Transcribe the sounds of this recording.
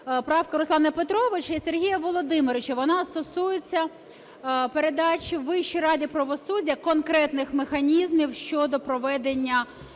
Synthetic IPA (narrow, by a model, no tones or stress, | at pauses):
pɾɑfkɐɾʊsˠɑnɐpet̪ɾɔʋɪt͡ʃɐiserɦʲijɐʋɔlˠɔd̪ɪmɔɾɪt͡ʃɐʋɔnɑst̪ɔsujet͡sʲːɐ | peɾed̪ɑt͡ʃʲiʋɪʃt͡ʃijɾɑdʲipɾɐʋɔsudʲjɐkɔnkɾɛt̪nɪxmexɐnʲizmʲiwʃt͡ʃɔd̪ɔpɾɔʋɛd̪enʲːɐ